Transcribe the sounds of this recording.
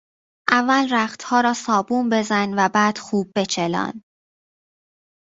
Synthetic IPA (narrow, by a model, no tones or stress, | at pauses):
ʔævːælræχt̪hɒːɾɒːsɒːbuːmbe̞zænvæbæːd̪̥xuːb̚ːe̞t͡ʃʰelɒ̰ːn